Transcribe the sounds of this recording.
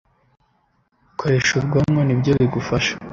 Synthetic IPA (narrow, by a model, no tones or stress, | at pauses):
kʰoɾe̞ʃubɡamŋo̞nibɟoβiɡufaʃḁ